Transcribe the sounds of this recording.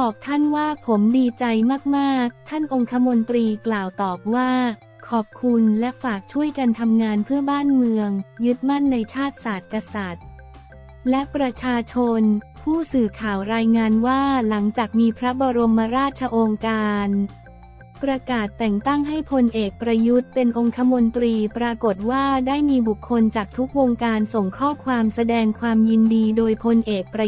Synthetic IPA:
bɔː˨˩p̚t̪ʰa˥˩nwaː˥˩pʰo˩˦mdiː˧t͡ɕa˧jmaː˥˩k̚maː˥˩k̚t̪ʰa˥˩nʔo˧ŋkʰa˧˦˥mo˧nt̪ɾiː˧klaː˨˩wt̪ɔː˨˩p̚waː˥˩ | kʰɔː˨˩p̚kʰu˧nlɛ˦˥faː˨˩k̚t͡ɕʰu˥˩əjka˧nt̪ʰa˧mŋaː˧npʰɯ˥˩əbaː˥˩nmɯ˧əŋjɯ˦˥t̪̚ma˥˩nːa˧jt͡ɕʰaː˥˩t̪̚saː˨˩t̪̚ka˧sa˨˩t̪̚ | lɛ˦˥ʔpɾa˧t͡ɕʰaː˧t͡ɕʰo˧npʰuː˥˩sɯː˨˩kʰaː˨˩wɾaː˧jŋaː˧nwaː˥˩la˩˦ŋt͡ɕaː˨˩k̚miː˧pʰɾa˦˥bɔː˧ɾo˧mːa˧ɾaː˥˩t̪̚t͡ɕʰa˧ʔo˧ŋkaː˧n | pɾa˧kaː˨˩t̪ːɛ˨˩ŋt̪a˥˩ŋɦa˥˩jpʰo˧nʔeː˨˩k̚pɾa˧ju˦˥t̪̚pe˧nʔo˧ŋt̪ʰa˧mo˧nt̪ɾiː˧pɾaː˧ko˨˩t̪̚waː˥˩daː˥˩jmiː˧bu˨˩kʰːo˧nt͡ɕaː˨˩k̚t̪ʰu˦˥k̚woː˧ŋkaː˧nso˨˩ŋkʰɔː˥˩kʰwaː˧msa˧dɛː˧ŋkʰwaː˧mji˧ndiː˧doː˧jpʰo˧nʔeː˨˩k̚pɾa˧

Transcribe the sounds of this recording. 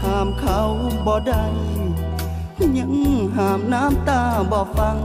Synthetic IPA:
haː˨˦mkʰa˧wbɔː˧˩da˧˩j | kɲa˧˥ŋɦaː˨˩mnaː˦˥˨mt̪aː˧˩bɔː˧˩fa˧ŋ

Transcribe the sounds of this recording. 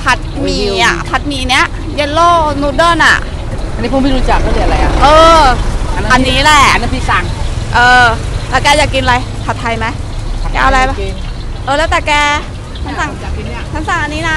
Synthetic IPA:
pʰa˦˥t̪̚miː˧ʔa̰˨˩pʰa˦˥t̪̚miː˧ni˦˥ɐʔ | je˦˧˥loː˥˩nuː˧dɤː˥˩na̰˨˩ʔ | ʔa˧nːiː˦˥po˧˦miː˥˩ɾu˧˦˧t͡ɕa˨˩k̚t̪ʰa˥˩di˧˩˨a˧ɾa˧jʔa̰˨˩ʔɤː˧˦ | ʔa˧nːiː˦˥lɛ˨˩na˦pʰiː˧˩sa˧˩ŋʔɤː˧t̪aː˨˩kɛː˧jaː˨˩kːi˧nʔla˧jpʰa˨˩t̪ʰːa˧jma˦˥jkɛː˧a˧ɾa˧jba˧˩ | ʔɤː˧lɛː˦˥wt̪ɛː˨˩kɛː˧ | kʰa˦˥sa˧˩ŋ˨˧ | k̪ʰa˦˥˩nsa˧˩ŋʔa˧nːiː˦˥na˦˥

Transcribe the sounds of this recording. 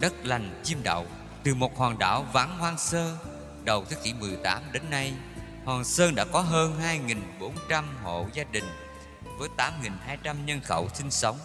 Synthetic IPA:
ɗə˦˥t̚la˨˩jŋ̟t͡ɕi˧əmɗə̰˧˨w | t̪ɨ˨˩mo˨˩t̚hwaː˨˩ŋɗa̰ː˧˩wva˨˦nhwaː˧ŋsəː˧ | ɗə˨˩wt̪ʰɨ˨˦kḭ˧˩mɨ˨˩əjt̪aː˨˦mɗe˨˦nːa˧j | hwaː˨˩ŋsəː˧nɗa̰ː˧˥kɔ˨˦ɦəː˧nɦaː˧jŋi˨˩nɓo˨˦nt͡ɕa˧mho̰˧˨zaː˧ɗï˨˩ŋ̟ | vəː˨˦jt̪aː˨˦mŋi˨˩nhaː˧jt͡ɕa˧mɲə˧nxə̰˧˩wsï˧ŋ̟sə˨˦wŋ͡m

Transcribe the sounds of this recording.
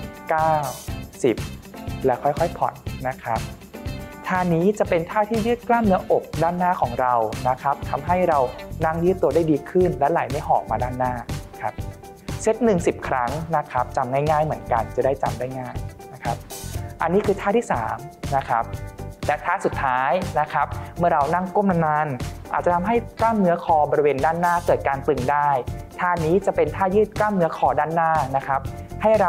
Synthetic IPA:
kaː˥˩wsi˨˩p̚lɛ˦˥kʰɔ˥˩jkʰɔ˥˩jpʰɔ̰˨˩nːa˦˥kʰɾa˦˥p̚ | t̪ʰaː˥˩niː˦˥t͡ɕa˨˩pe˧nt̪ʰaː˥˩t̪ʰiː˥˩jɯː˥˩t̪̚klaː˥˩mnɯ˦˥ɐʔo˨˩k̚daː˥˩nːaː˥˩kʰɔː˩˦ŋɾa˧wna˦˥kʰa˦˥p̚t̪ʰa˧mɦa˥˩jɾa˧wna˥˩ŋjɯː˥˩t̪ːu˧daː˥˩jdiː˧kʰɯ˥˩nlɛ˦˥laː˩˦jma˥˩jɦɔː˨˩k̚maː˧daː˥˩nːaː˥˩kʰa˦˥p̚ | se˦˥t̪̚nɯ˨˩ŋsi˨˩p̚kʰɾa˦˥ŋna˦˥kʰɾa˦˥p̚t͡ɕa˧mŋaː˥˩jŋaː˥˩jmɯ˩˦ənka˧nt͡ɕa˨˩daː˥˩jt͡ɕa˧mdaː˥˩jŋaː˥˩jna˦˥kʰa˦˥p̚ʔa˧nːiː˦˥kʰɯː˧t̪ʰa˥˩t̪ʰiː˥˩saː˩˦mna˦˥kʰa˦˥p̚lɛ˦˥t̪ʰaː˥˩su˨˩t̪ʰːaː˦˥jna˦˥kʰa˦˥p̚mɯ˥˩ɐɾa˧wna˥˩ŋku˥˩˨mna˧mna˧nʔa̰ː˨˩t͡ɕa˨˩t̪ʰa˧mɦa˥˩jklaː˥˩mnɯ˦˥ɐkʰɔː˨˩˦bɔː˧ɾi˧weː˧ndaː˥˩nːaː˥˩kɤː˨˩t̪̚kaː˧nt̪ɯ˨˩ŋdaː˥˩jt̪ʰaː˥˩niː˦˥t͡ɕa˨˩pe˧nt̪ʰaː˥˩jɯː˥˩t̪̚klaː˥˩mnɯ˦˥ɐkʰɔː˨˩˦daː˥˩nːaː˥˩na˦˥kʰa˦˥p̚ | ha˥˩jɾa˧

